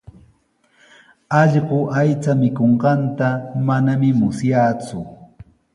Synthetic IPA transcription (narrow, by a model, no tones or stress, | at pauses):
ɑʎɢoʔajt͡samɪkoɴɢɑnt̪amanamɪmʊsjaːt͡sʊ